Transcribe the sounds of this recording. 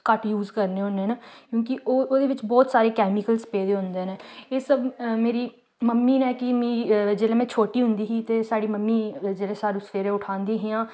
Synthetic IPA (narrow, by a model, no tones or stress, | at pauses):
kəʈjuːzkəɾneːɦʊnːeːnaːkjõːkɪʔoːoːd̪eːʋɪt͡ʃbɔːt̪saːɾeːkɛːmikəlspeːd̪eːɦʊ̃nd̪eːneːeːsəbmeːɾiː | məmːiːnɛːkɪmĩːd͡ʒeːlẽːmɛ̃ːt͡ʃʰoːʈiːɦʊ̃nd̪iːɦiːt̪eːsaːɽiːməmːiːd͡ʒeːlẽːsaːɾũːsfeːɾẽːʊʈʰaːnd̪iːɦeːãː